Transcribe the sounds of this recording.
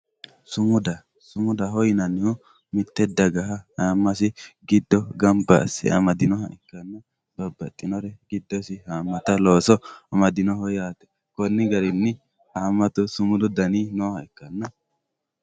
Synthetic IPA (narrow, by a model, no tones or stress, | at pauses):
sʊmʊd̪ɐ | sʊmʊd̪ɐɦɔjnɐnːɪʊ | mɪt̪ːɛd̪ːɐɡɐɦɐhaːmːɐsɪɡɪd̪ːɔɡɐmbɐ̰ːsɪ̰ɐ̰mɐd̪ɪnɔɦɐ̰ʔɪkːɐnːɐ | bɐbːɐt̪ʼːɪnɔɾɛɡɪd̪ːɔsɪhaːmːɐt̪ɐloːsɔɐmɐd̪ɪnɔhɔjaːt̪ɛ̥ | kɔnːɪɡɐɾɪnːɪ | hamːɐt̪ʊsʊmʊd̪ʊd̪ɐniːnoːhɐɪkːɐnːɐ